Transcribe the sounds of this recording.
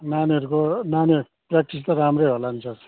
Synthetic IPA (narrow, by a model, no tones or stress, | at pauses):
naniʌɾukonaniɾ | prak̚ʈis̬t̪ʌɾamrejɦolant͡sʰʌ̥